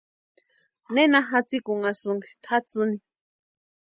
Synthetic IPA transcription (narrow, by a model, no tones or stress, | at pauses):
nenaɦat͡sikuŋasuŋkʃt̪ʰat͡sɨni